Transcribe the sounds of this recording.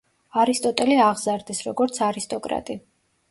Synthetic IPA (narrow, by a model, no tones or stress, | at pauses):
aɾist̪ʼɔt̪ʼɛliaʁzaɾd̪isɾɔɡɔɾt̪sʰaɾist̪ʼɔkʼɾa̰t̪ʼi